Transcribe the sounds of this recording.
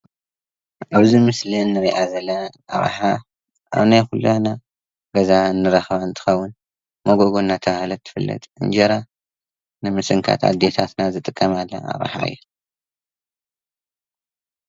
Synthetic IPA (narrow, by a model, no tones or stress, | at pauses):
ʔaβzimɨslinːɨɾiʔazɐlːɐʔa̰β̰ħa | ʔa̰βnajxulana | ɡɐzaɨnːɨɾɐxβaɨnt̪ʰɨ̥xɐwːʊn | mɐɡoɡo̞nːat̪ʰɐβahlɐt̪ʰːɨ̥fɨlːɐ̰t̪ʼʔɨ̰nd͡ʒɐɾa | nɨmɨsɨŋkʰa̰t̪ʰa̰t̪d̪et̪ʰat̪nazɨt̪ʼɨkʼːɐmalːɐ̰a̰βa̰ħa̰ɨ̰jːu